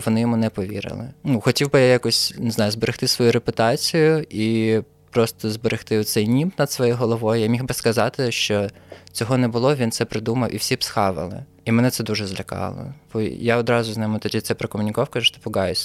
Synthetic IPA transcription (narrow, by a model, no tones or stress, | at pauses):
ʋɔnɪjɔmunɛpɔʋʲḭɾɪ̰lˠɪ̰nuxɔtʲiwbɪjajakʊsʲnɪznɑjʊzbeɾext̪ɪsʋɔjuɾepʊt̪ɑt͡sʲijʊʔi | pɾɔst̪ɔzbeɾext̪ɪɔt̪sɛjnʲimt̪nɐd̪sʋɔjɛɦɔlˠɔʋɔjʊjamʲixbɪskɐzɑt̪ɪʃt͡ʃɔt͡sʲɔɦɔnɛbʊlˠɔʋʲint̪sɛpɾɪd̪umɐwʔiwsʲipsxɑʋɐ̰lˠɪ̰ | imɛnɛt̪sɛd̪uʒɛzlʲɐkɑ̰lˠɔ̰b̥ɔjaɔd̪ɾɑzʊznɛmɪt̪ɔdʲit̪ɛpɾɔkɔmʊnʲikɑwkɐʒʊʃt̪ɔ̥pɔɡɑjʊsʲ